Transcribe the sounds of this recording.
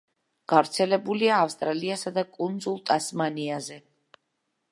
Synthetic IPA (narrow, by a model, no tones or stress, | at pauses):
ɡ̥avɾt̪sʰɛlɛbuliaːfst̪ʼɾaliasad̪akʼund̪zulˠt̪ʼasmaniazɛ